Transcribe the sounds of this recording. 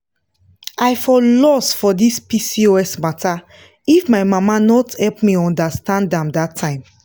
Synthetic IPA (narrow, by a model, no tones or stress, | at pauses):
aɪfɔlɔsfɔdispisioɛsmata | ifmaɪmamanɔthɛlpmiɔ̃ndastãndãmdatʰːãɪ̃m